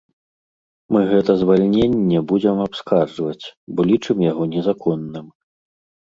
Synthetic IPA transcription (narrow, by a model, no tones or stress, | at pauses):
mɨɣɛt̪ɐzvalʲnʲenʲːɛbud͡zʲɛmapskarʐvɐt͡sʲbɔlʲit͡ʂɨmjaɣɔnʲɛzakɔnːɨm